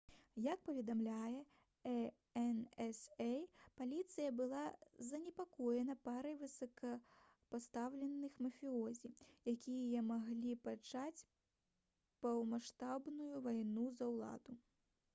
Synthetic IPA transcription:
jɐk̚pɐvʲɛd̪amlʲajɛ | ɛ | ɛnɛsɛjpalʲit̪sɨjɐbɨlˠazɐnʲɛpakɔjɛnɐpaɾɐjvɨsɐkʰɐ | past̪awlʲɛnːɨxmɐfʲiɔzʲijakʲijɐmaɣlʲipat͡ʂat͡sʲ | pɐwmaʂt̪abnujuvajnuzɐwlˠa̰d̪u

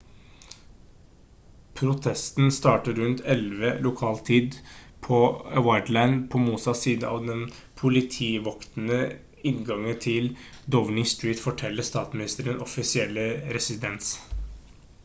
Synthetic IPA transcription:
pʰɾʊt̪ʰɛst̪n̩st̪ɑːʈəɾʉnt̪ʰɛlʋəlʊkʰɑːlt̪ʰiːd̪pʰɔwɑɪd̪læɪnd̪pʰɔmuːsɑsiːd̪əɑ̰ːʋd̪ɛn | pʰʊlɪt̪ʰiːʋɔkt̪nə | ɪnɡɑŋːət̪ʰɪld̪ɔʋnɪŋst̪ɹiːt̪fɔʈʰɛlːəst̪ɑːt̪smɪnɪst̪əɾənɔfɪsɪɛlːəɾɛsɪd̪ɛns

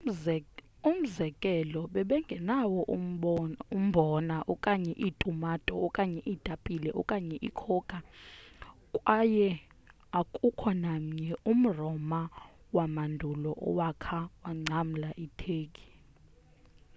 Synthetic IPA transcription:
um̩zɛkʼɛlɔɓɛɓɛŋɡʱɛnawɔʔ | um̩bʱɔnaʔɔkʼaɲɛʔitʼumatʼɔɔkʼaɲɛʔid̥ʱapʼilɛʔɔkʼaɲɛʔikʰɔkʼa | kʼwajɛ | akʼukʰɔnam̩ɲɛum̩rɔma | wamandʱulɔʔɔ̰wakʰawaŋ͡ǀʱam̩laʔitʰeːkʼi̥

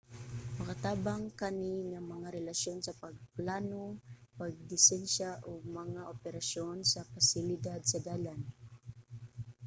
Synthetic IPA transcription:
mɐkat̪aːbaŋkaniŋamɐŋaɾɛlasjonsɐpaɡ̚plaːnopaɡ̚d̪ɪsɛnʃaʔoɡ̚mɐŋaʔopɛɾasjonsafasɪlɪd̪ad̪̚sad̪aːlan

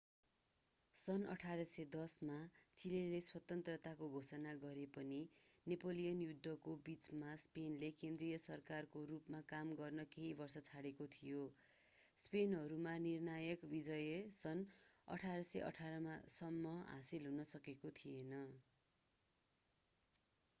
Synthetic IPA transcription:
sʌnʌ̰ʈʰaɾʌsʌd̪ʌsmat͡sileleswʌt̪ʌnt̪rʌt̪akoɡʱosʌnaɡʌɾepʌninepolijʌnjud̪ʱːʌkobit͡smaspenlekend̪rijʌsʌrkarkorupmakamɡʌrnʌkeɦibʌrsʌt͡sʰaɽekot̪ʰijo | spenɦʌɾumanirnajʌkbid͡zʌjesʌnʌ̰ʈʰaɾʌsʌʌ̰ʈʰaɾʌmasʌmːʌɦa̰silɦunʌsʌkekot̪ʰijenʌ

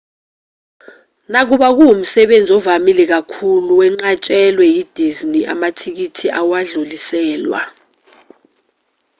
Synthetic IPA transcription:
nak̬uɓak̬uum̩sɛɓend͡zʱɔvamilɛk̬akʰuluwɛŋ͡ǀat͡ʃʼɛlwɛjid̥ʱizniʔa̰matʰik̬itʰiawaɮulisɛːlwa̰

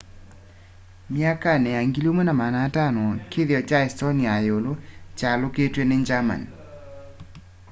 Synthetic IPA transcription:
mjakanɛaŋɡilomonamanatanɔkɪðjɔt͡ʃaɛstoniajolot͡ʃaloketweneɲd͡ʒama̰n

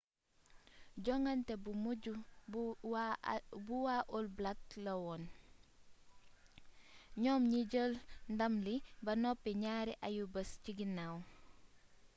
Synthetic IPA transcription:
ɟɔŋɐntɛbumuɟu | buwaʔɔlblak̚lɐwɔn | ɲɔːmɲiɟəlndɐmlibɐnɔpːiɲaːɾiʔajubəsciɡinaw

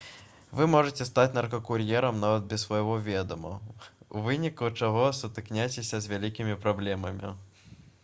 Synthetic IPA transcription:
vɨmɔʐɨt͡sʲɛst̪at͡sʲnɐrkɐkuɾjɛɾɐmnavɐd̪̚bʲɛsvɐjɣɔvʲɛd̪ɐmɐ̰uvɨnʲikut͡ʂaɣɔsut̪ɨknʲajt͡sʲesʲɐzʲvʲalʲikʲimʲipɾablʲɛmɐmʲḭ

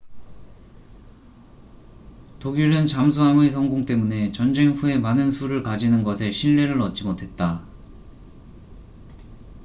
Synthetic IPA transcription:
toɡiɾɯnt͡ɕams̬ʰuɦamesʰʌŋɡoŋt͈e̞mune̞t͡ɕʌnd͡ʑe̞ŋɸue̞manɯnsʰuɾɯɭkad͡ʑinɯnɡʌsʰe̞ɕʰiɭːe̞ɾɯɾʌt͡ɕ͈imotʰe̞t̚t͈a

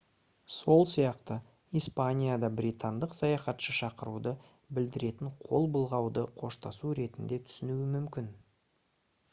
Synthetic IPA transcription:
so̞lˠsijɑqt̪ə | ijspanʲijad̪ɑbɾit̪and̪əqsɑjɑχɑt̪ʃəʃɑqəɾud̪ə | bɪld̪ɪɾe̞t̪ɪɴqʰo̞lˠbəlˠʁɑwd̪əqʰo̞ʃt̪ɑsuɾe̞t̪ɪnd̪e̞t̪ʰʏ̥sɪnuɪmʏmkʲɪn

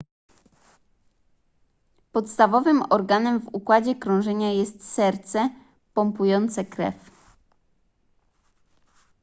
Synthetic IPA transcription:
pɔt̪st̪avɔvɘmɔɾɡanɛmvukwad͡ʑɛkɾɔ̃w̃ʐɛɲajɛst̪sɛɾt̪sɛ | pɔmpujɔnt̪sɛkɾɛ̰f

